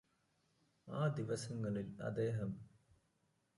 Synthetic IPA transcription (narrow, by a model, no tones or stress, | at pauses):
aːd̪iʋɐsɐŋɡɐnilɐ̰d̪eːɦɐm